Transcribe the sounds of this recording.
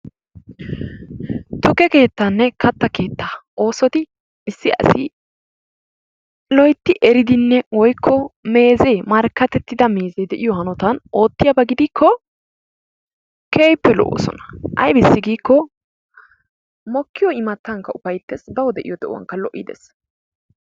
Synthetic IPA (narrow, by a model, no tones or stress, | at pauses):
t̪ʊkɛke̞ːt̪ːɐnːɛkɐt̪ːɐke̞ːt̪ːaʔo̞ːsɔt̪ɪ | ɪsːɪʔɐ̰sɪ̰ | lɔjt̪ːɪʔɛɾɪd̪ɪnːɛwɔjkʰːɔme̞ːze̞ːmɐɾkːɐt̪ɛt̪ːɪd̪ɐme̞ːzeːd̪ɛʔɪjɔhɐnɔt̪ɐno̞ːt̪ːɪjɐbɐɡɪd̪ikʰːɔ | keːjpːɛlɔ̰ʔo̰ːsɔ̰nɐ̥ʔɐ̰jbɪsːɪɡiːkːɔ | mɔkːɪjɔɪmɐt̪ːɐŋkːɐʊfɐjt̪ːɛsbɐwɔd̪ɛʔɪjɔd̪ɛʔɔwɐ̰ŋkːɐlɔʔːɪ̰d̪ɛ̰s